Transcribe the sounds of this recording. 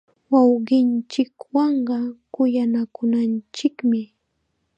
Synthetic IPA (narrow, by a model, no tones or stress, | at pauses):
wɑwɢɪnt͡ʃɪkwɑɴɢɑkʊjanakʊnant͡ʃɪkmɪ